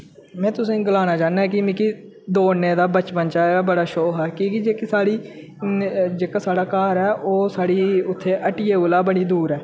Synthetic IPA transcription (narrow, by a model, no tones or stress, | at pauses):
mɛ̃ːt̪ʊsĩːɡəlaːnaːt͡ʃaːnaːɦɛːkɪmɪkiː | d̪oːneːd̪aːbət͡ʃpənt͡ʃaːabəɽaːʃoːɦɛːkĩːkid͡ʒeːkiːsaːɽiː | d͡ʒeːkaːsaːɽaːkaːɾɛːʔoːsaːɽiːʊt̪ʰːeːʔəʈiːeːlaːbəɽiːd̪uːɾɛː